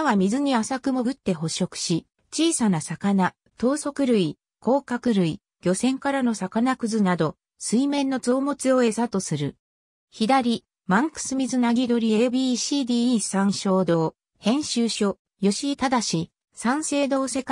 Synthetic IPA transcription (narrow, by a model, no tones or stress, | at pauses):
βamʲizɨɲ̟iasakɯ̟mo̞ɡɯ̟t̪ːe̞ɦo̞ɕo̞kɯ̟̥ɕi | t͡ɕiːsanasakana | t̪o̞ːso̞kɯ̟ɾɯ̟i | ko̞ːkakɯ̟ɾɯ̟i | ɡʲo̞sẽ̞ŋkaɾano̞sakanakɯ̟zɨnad̪o̞ | sɨimẽ̞nːo̞t͡soːmo̞t͡sɨo̞e̞sat̪o̞sɨɾɯ̟̰ | çid̪aɾʲi | mãŋkɯ̟̥sɨmʲizɨnaɡʲid̪o̞ɾʲie̞biːɕiːd̪iːsãɰ̃ɕo̞ːd̪o̞ː | hẽ̞ɰ̃ɕɨːɕo̞ | jo̞ɕit̪ad̪aɕi | sãɰ̃se̞ːd̪o̞ːse̞k